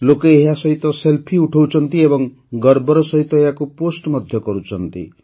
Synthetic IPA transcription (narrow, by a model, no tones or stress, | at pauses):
lokeːɦasʌɦit̪ɔselpʰiuʈʰɔwt͡ʃʰɔnt̪iebɔŋ | ɡʌɾbɔɾɔsʌɦit̪ɔejakuposʈmʌd̪ʱjɔkɔɾut͡ʃʰʌnt̪ḭ